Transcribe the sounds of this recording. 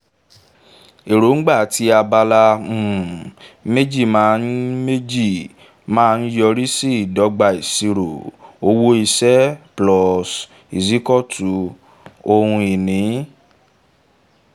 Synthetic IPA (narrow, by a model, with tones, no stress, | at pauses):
e˨ɾo˨˦ŋ̩˦ɡ͡ba˦˨ti˧˦a˧ba˧la˧˨me˦d͡ʒi˦˨mãː˨˦n˦me˦d͡ʒi˦˨ | mãː˦˧n̩˦jɔ˧ɾi˦si˦i˨dɔ˨˧˦ɡ͡ba˧i˨si˧ɾo˨o˧˦wo˦i˧sɛ˦plɔ˧s | i˨zi˨˦kɔ˦˨tʰu˨˦ | o˧hũ˧i˨nĩ˨˦